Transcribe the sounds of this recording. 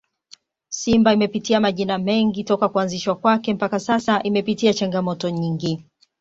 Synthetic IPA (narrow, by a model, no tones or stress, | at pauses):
simbaimɛpitiamaʄinamɛŋɡitɔkakuanziʃwakwakɛm̩pakasasaʔimɛpitiat͡ʃaŋɡamɔtɔɲiŋɡi